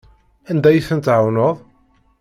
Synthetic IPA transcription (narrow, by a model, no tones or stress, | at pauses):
ænd̪æjiθənt̪ʕawnoðˤ